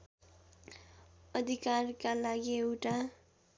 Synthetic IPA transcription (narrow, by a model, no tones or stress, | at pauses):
ʌd̪ʱikarkalaɡieʈa